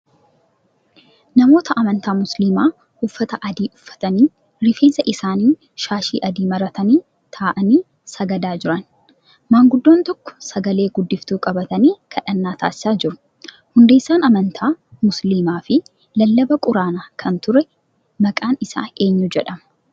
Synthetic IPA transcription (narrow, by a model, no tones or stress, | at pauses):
nɐmo̞ːt̪ɐʔɐmɐnt̪aːmʊsliːmaː | hʊfːɐt̪ɐʔɐd̪iːʔʊfːɐ̥t̪ɐniː | ɾɪfe̞ːnsɐʔɪsaːniː | ʃaːʃḭːʔɐd̪iːmɐɾɐt̪ɐniː | t̪ʰaːʔɐniː | sɐɡɐd̪aːd͡ʒɪɾɐn | maːŋɡʊd̪ːoːnt̪ɔkːɔ̥sɐɡɐle̞ːɡʊd̪ːɪft̪uːkʼɐbɐt̪ɐniːkʰɐᶑɐnːaːt̪ʰa̰ːsɪ̥saːd͡ʒɪɾʊ̥ | hʊnd̪eːsːaːnɐmɐnt̪ʰaːmʊsliːmaːfɪ | lɐlːɐbɐkʼʊɾaːnakʰɐnt̪ʊɾɛ | mɐkʼaːnɪsa̰ːe̞ːɲːud͡ʒɛᶑɐmɐ